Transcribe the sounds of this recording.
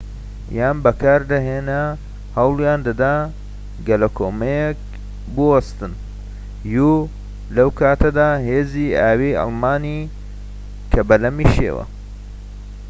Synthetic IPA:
jaːnbɐkʰaːɾd̪ɐɦeːnɐ | hɐwlˠjaːnd̪ɐd̪a | ɡɐlɐkʰoːmɐjek | bɨwɐst̪ɨn | ju | lɐwkʰaːt̪ɐd̪aːɦeːziːaːwiʔɑ̰lˠmaːniː | kʰɐbɐlɐmiːʃḛːwɐ̰

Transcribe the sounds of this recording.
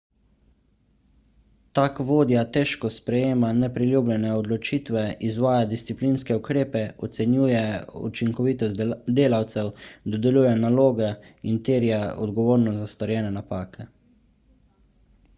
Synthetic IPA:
t̪aːkʋoːd̪jat̪ɛːʃkɔspɾɛjeːmanɛpɾilʲjuːblʲjɛnɛɔd̪lɔt͡ʃiːt̪ʋɛizʋaːjad̪ist̪sipliːnskɛukɾeːpɛɔt̪sɛnjuːjɛṵt͡ʃiŋkɔʋiːt̪ɔsd̪eːlawt̪sɛwd̪ɔd̪ɛlʲjuːjɛnaloːɡɛint̪eːɾjaɔ̰d̪ɡɔʋoːɾnɔzast̪ɔɾjɛːnɛnapaːkɛ

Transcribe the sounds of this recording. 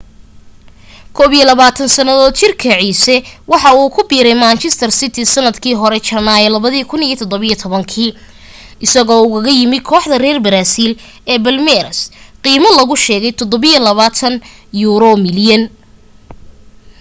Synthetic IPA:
kʰɔːβijɛlɐβaːt̪ʰɐnsɐnɐðɔːd̪t͡ʃɪrkʰɐʕiːsɛwɑħɑuːkʰʊbiːɾɛjmaːnt͡ʃʰɛst̪ʰɐrsɪt̪ʰɪsɐnɐd̪kʰiːɦɔɾɛt͡ʃɐnaːjɛlɐβɐðiːkʰʊnijɐt̪ʰɔd̪ɔβɐijɔt̪ʰɔβɐŋkʰiː | ʔɪsɐɣɔːʊɣɐɣɐjɪmɪkʰɔːħðɐrɛːrbɐɾaːsiːl | ɛːbɐlmɛɾɐsqiːmɐlɐɣʊʃɛːɣɛjt̪ʰɔd̪ɔβɪjɐlɐβaːt̪ʰɐnjuːɾɔmɪljɐn

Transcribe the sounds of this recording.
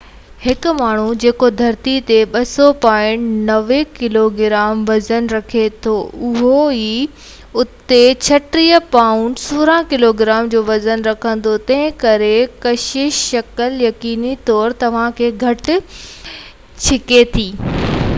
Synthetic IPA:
hɪkʊ̆maːɳ̤ud͡ʑeːkod̪ʱɐɾt̪it̪eɓɐsɔpãːɪ̃ɳʈnɐʋekɪloɡɪɾaːmʋɐzənɾɐkʰet̪ʰoʊɦoiː | ʊt̪et͡ɕʰɐʈɾiːəpaːʊɳʈsuːɾãkɪloɡɪɾaːmd͡ʑoːʋɐzənɾɐkʰə̃nd̪ot̪ɐ̃ɦɪ̃kɐɾekɐʃɪʃʃɐkəljɐkiːnit̪ɔːɾt̪ɐʋ̤ãkʰeːɡʱɐʈʊ̆ | t͡ɕʰɪket̪ʰiː

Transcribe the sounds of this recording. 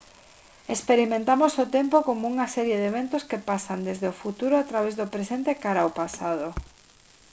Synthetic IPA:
espeɾimẽnt̪amosot̪empokomouŋasɛɾjeðeβent̪oskepasand̪ezðeofut̪uɾoat̪ɾaβezðopɾesent̪ekaɾaopasað̞o

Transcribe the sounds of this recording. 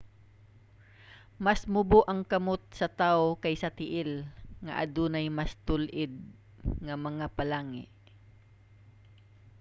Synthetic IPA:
mɐsmʊboʔɐŋkɐmot̪̚sɐt̪aokajsɐt̪ɪʔɪlŋɐ̰ʔɐ̰d̪unɐjmɐst̪ʊlʔɪd̪̚ | ŋɐmɐŋapɐlaːŋɪ̰ʔ

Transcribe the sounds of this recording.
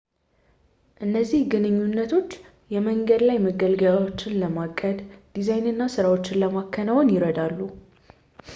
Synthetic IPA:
ʔɨnːəzːihɡɨnɨɲːunːət̪ʰo̞t͡ʃː | jɛməŋɡəd̪lajməɡəlɡəlawo̞t͡ʃːɪnləmakʼːəd̪d̪̥izajnɨnːasɨɾawo̞t͡ʃːɪnləmakʰːənəwonjɪɾəd̪alːu

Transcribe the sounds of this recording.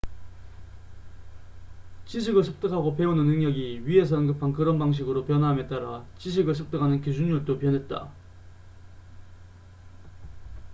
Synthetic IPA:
t͡ɕiɕʰiɡɯɭsʰɯk̚t͈ɯkʰaɡop̬e̞unɯnːɯŋɲʌɡiɥie̞s̬ʰʌɯnɡɯpʰankɯɾʌnbaŋɕ̬ʰiɡɯɾopjʌnwaɦame̞t͈aɾat͡ɕiɕʰiɡɯɭsʰɯk̚t͈ɯkʰanɯnkid͡ʑʰuŋɲuɭt͈opjʌnɦe̞t̚t͈a̰

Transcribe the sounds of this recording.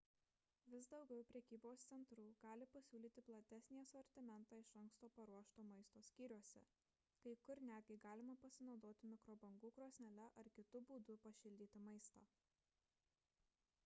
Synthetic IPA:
ʋʲɪsd̪ɒʊɡʲɛʊpʲɾʲɛɛkʲiːboːst̪sʲɛnt̪ɾuːɡ̥ɑːlʲɪpɐsʲuːlʲiːt̪ʲɪplˠɐt̪ʲæsʲnʲiɛsɔɾʲt̪ʲɪmʲɛnt̪ɑːɪʃɐŋkst̪oːpɐɾuɔʃt̪oːmɐɪst̪oːsʲkʲiːɾʲuɔsʲɛ̰ | kɐɪkʊɾnʲæːd̪ʲɡʲɛɪɡɑːlʲɪmɐpɐsʲɪnɒʊd̪oːt̪ʲɪmʲɪkɾoːbɐŋɡuːkɾoːsʲnʲɛlʲɛʔɐɾkʲɪt̪ʊbuːd̪ʊpɐʃʲɪlʲd̪ʲiːt̪ʲɪmɐɪst̪ɑː

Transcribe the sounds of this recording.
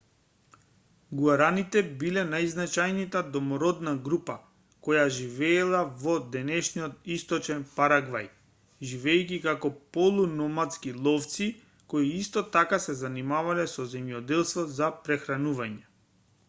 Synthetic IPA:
ɡuaɾanit̪ɛbilɛnajznat͡ʃajnit̪ad̪ɔmɔɾɔd̪naɡɾupa | kɔjaʒivɛːlˠavɔd̪ɛnɛʃnijɔt̪ist̪ɔt͡ʃɛnpaɾaɡvaj | ʒivɛːjkikakɔpɔlˠunɔmat̪skilˠɔft̪si | koiist̪ɔt̪akasɛzanimavalɛsɔzɛmjɔd̪ɛlˠst̪vɔzapɾɛxɾanuvaɲɛ

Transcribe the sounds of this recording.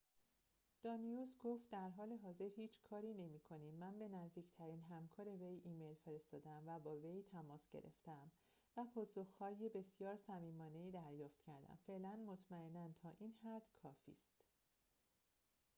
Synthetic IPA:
d̪̥ɒːnijusɡoft̪̚d̪æɾɦɒːle̞ɦɒːze̞ɾhiːt͡ʃʰkʰɒːɾiːne̞miːkʰo̞niːmːænbe̞næzd̪iːct̪ʰæɾiːnɦæmkʰɒːɾe̞ve̞jiːme̞jlfe̞ɾe̞st̪ɒːd̪eæmvæbɒːve̞jt̪ʰæmɒːsɟ̥ḛɾʔe̞̰ft̪eæm | væpʰɒːsoxhɒːjebe̞sjɒːɾsæmiːmɒːne̞iːd̪æɾjɒːft̪cʰæɾd̪æ̰mfe̞ʔlænmo̞t̪ʰmæenːænt̪ʰɒːʔiːnhæd̪̥kʰɒːfḭːst̪

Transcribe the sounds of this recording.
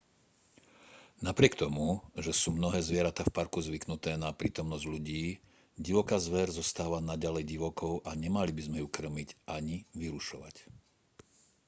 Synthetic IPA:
napɾɪɛkt̪ɔmuʒɛsuːmnɔɦɛːzʋɪɛɾat̪aːfpaɾkuzʋiknut̪ɛːnapɾḭːt̪ɔmnɔzɟʎuɟiː | ɟiʋɔkaːzʋɛɾzɔst̪aːʋanaɟalɛjɟiʋɔkɔʊʔaɲɛmalibizmɛjukr̩miɟʔaɲiʋiɾuʃɔ̰ʋa̰c

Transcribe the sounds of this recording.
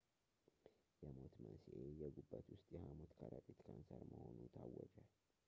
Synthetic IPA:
jɛmot̪mənsʔejɛɡubːat̪ʰwʊst̪ʼjɛhamot̪kʰaɾat̪ʼit̪kʰansəɾməho̞nut̪ʰawːɔd͡ʒal

